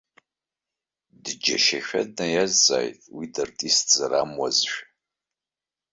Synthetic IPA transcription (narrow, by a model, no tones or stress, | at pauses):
dɨd͡ʒɐ̰ʃɐʃʷᶣɐdnɐjɛza̰ːjtʰʼwiːdɐrtʼiːst͡sʼɨɾaːmwɔzʃᶣ